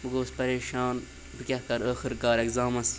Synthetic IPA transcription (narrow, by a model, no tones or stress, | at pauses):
mɨɡoːspɐɾeːʃaːn | bɨkʲɐhkɐɾəːxiɾɡaːɾeɡzaːmɐs